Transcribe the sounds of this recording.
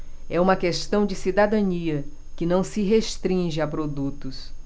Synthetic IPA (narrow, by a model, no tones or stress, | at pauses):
ɛũmɐkest̪ɐ̃w̃d͡ʒɪsid̪ad̪ɐ̃niɐ | kɪnɐ̃w̃sɪɦeʃt̪ɾĩʒɪapɾod̪ut̪ʊs